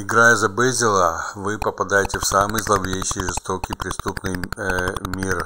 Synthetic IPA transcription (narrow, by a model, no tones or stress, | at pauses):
ɪɡɾajəzɐbɛzʲɪlˠəvɨpəpɐd̪ajɪtʲɪfsamɨjzlˠɐvvʲejɕɪjʐɨst̪okʲijpɾʲɪst̪upnɨj | mʲir